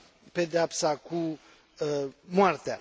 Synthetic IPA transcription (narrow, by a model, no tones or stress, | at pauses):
ped̪eap̪saku | mwart̪ea